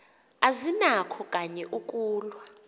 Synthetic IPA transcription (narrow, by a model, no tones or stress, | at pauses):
azinakʰɔkʼaɲɛʔukʼuːlwa